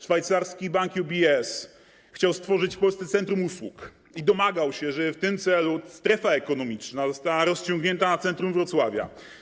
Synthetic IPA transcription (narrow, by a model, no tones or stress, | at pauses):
ʂfajt̪saɾskʲibaŋkjubʲiɛs | xt͡ɕawst̪fɔʐɘt͡ɕpɔlsɛt̪sɛnt̪ɾumuswuk | id̪ɔmaɡawɕɛʐɛft̪ɘmt̪sɛlust̪ɾɛfaɛkɔnɔmʲit͡ʂnazɔst̪awaɾɔst͡ɕɔ̃ŋɡɲɛnt̪anat̪sɛnt̪ɾumvɾɔt̪swavʲja̰